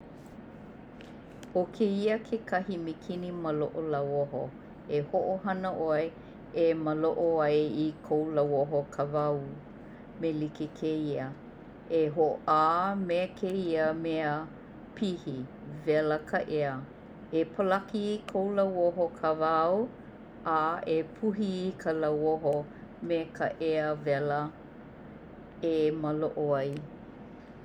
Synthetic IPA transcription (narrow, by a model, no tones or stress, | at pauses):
okʰeiəkʰekʰɐhimikʰiniməloʔolawoɦo̰ | ehoʔoɦɐnəʔoe | eməloʔoɐjikʰowlawoɦokʰavɐw | melikekʰeiə | eɦoʔaːmeəkʰeiəmeə | pʰihi | vɛləkʰəʔeə | epʰəlɐkikʰowlawoɦokʰavaw | aepʰuɦikʰəlawoɦomekʰəʔeəvɛlə | eməloʔoaj